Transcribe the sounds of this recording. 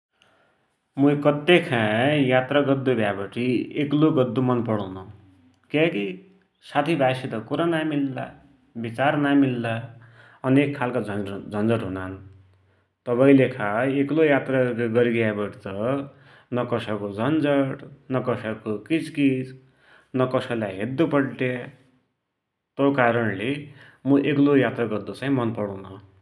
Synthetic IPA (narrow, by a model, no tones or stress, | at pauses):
muikʌt̪ːekʰãjat̪raɡʌd̪ːubʱjabʌʈʰiekloɡʌd̪ːumʌnpʌɽʌwnu | kjaki | sat̪ʰibʱasit̪ʌkuɾanamilːa̰ | bit͡sarnamilːa | ʌnekʰːalkaʌd͡zʌnd͡zʌʈɦunan | t̪ʌpaĩlekʰaeklojat̪raɡʌɾiɡjabʌʈt̪ʌ | nʌkʌsʌkod͡zʌnd͡zʌɽnʌkʌsʌkokit͡skit͡s | nʌkʌsʌlajɦed̪ːupʌɽʈe | t̪okaɾʌnle | mʌʔeklojat̪raɡʌrd̪ʌt͡sãjĩmʌnpʌɽũnʌ